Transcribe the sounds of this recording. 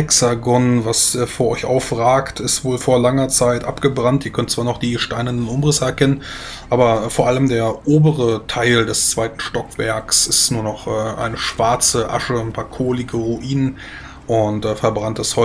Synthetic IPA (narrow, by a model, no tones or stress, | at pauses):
ɛksaɡɔnvasɛːfoːɐʔɔʏçʔa̰ʊfʁaːktɪstv̥oːlfoːɐlaŋɐt͡saɪtʔa̰pɡ̥əbʁantʔiːɐkʰœnt̚t͡sv̥aːɐnɔχd̥iːʃtaɪnəndənʔʊmʁɪsəɛɐkʰɛnən | ʔaːbɐfoːɐʔaləmdeːɐʔoːbəʁətʰaɪldɛst͡sv̥aɪtn̩ʃtɔkv̥ɛ̰ɐksɪstnuːɐnɔχʔɛːʔa̰ɪnəʃv̥aɐt͡səʔa̰ʃəanpʰaːɐkʰoːlɪɡəʁuʔiːnən | ʔʊntɛːfɛɐbʁantəshɔ